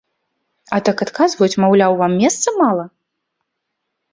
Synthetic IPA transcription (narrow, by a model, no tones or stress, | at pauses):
ɐt̪akat̪kazvɐjut͡sʲmawlʲawvamːʲɛst̪sɐmalˠɐ